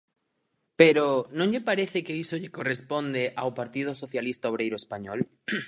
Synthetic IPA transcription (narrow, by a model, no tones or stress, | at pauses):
peɾonõŋʎepaɾeθɪkeisoʎɪkorespond̪eʔawpaɾt̪ið̞osoθjalist̪aoβ̞ɾejɾoespaɲɔl